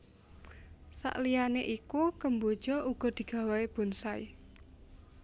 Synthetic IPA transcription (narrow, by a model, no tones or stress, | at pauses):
sa̰ʔlijaneʔikukəmbod̥ʒ̥ɔʔuɡ̥ɔ̤d̪̥i̤ɡ̥ä̤weeb̥ṳnsai